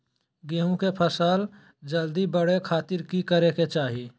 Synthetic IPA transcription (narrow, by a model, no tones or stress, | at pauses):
ɡeːɦũkepʰəsaːl | d͡ʒəld̪ibəɽekʰaːt̪ɪɾkikəɾeket͡ʃaːɦi